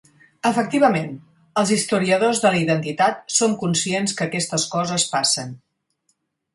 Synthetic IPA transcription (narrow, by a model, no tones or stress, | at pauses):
əfək̚t̪iβ̞əmen | əlˠzist̪uɾiəðozðələiðənt̪it̪at̪̚soŋkunsienskəːkɛst̪əskɔzəspasən